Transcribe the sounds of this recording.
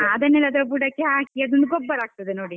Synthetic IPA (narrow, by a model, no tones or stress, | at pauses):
ad̪ɐnːɛlɐd̪ɾɐbuɖakːeɦaːkiɐd̪ond̪uɡɔbːɐɾaːɡ̚t̪ɐd̪enoːɽi